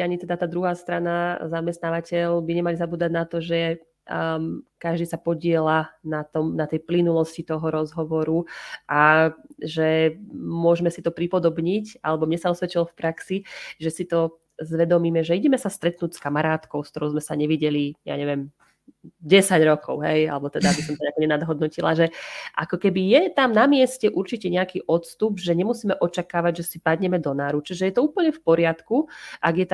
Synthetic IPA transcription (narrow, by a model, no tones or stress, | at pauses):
aɲit̪ɛd̪at̪aːd̪ɾuɦaːst̪ɾanazamɛst̪naːʋacɛlbiɲɛmalizabuːd̪aɟnat̪ɔʒɛ | kaʒd̪iːsapɔɟɪɛlanat̪ɔmnat̪ɛjplinulɔscit̪ɔɦɔɾɔzɦɔʋɔɾuʔaʒɛmʊɔʒmɛsit̪ɔpɾipɔd̪ɔbɲica̰lɛbɔmɲɛsaɔsʋɛt͡ʃilɔfpɾaksiʒɛsit̪ɔ | zʋɛd̪ɔmiːmɛʒɛiɟɛmɛsast̪ɾɛt̪nuːcskamaɾaːt̪kɔʊskt̪ɔɾɔʊzmɛsaɲɛʋiɟɛlija̰ːɲɛʋɛm | ɟɛsaɟɾɔkʰɔʊɦɛja̰lɛbɔt̪ɛd̪aabisɔmt̪ɔɲɛakɔɲɛnad̪ɦɔd̪nɔcilaʒɛʔakɔkɛbijɛt̪amnamɪɛscɛʔuɾt͡ʃicɛɲɛakiːʔɔt̪st̪ubʒɛɲɛmusiːmɛʔɔt͡ʃakaːʋaɟʒɛsipad̪ɲɛmɛd̪ɔnaːɾut͡ʃiʒɛjɛt̪ɔuːpl̩ɲɛfpɔɾɪat̪kuʔaɡjɛt̪a